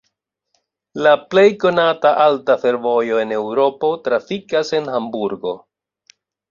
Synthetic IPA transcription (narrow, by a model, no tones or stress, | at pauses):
laple̞jko̞nataʔaltafe̞ɾvo̞jo̞e̞ne̞wɾo̞po̞tɾafikase̞nɦambuɾɡo̞̰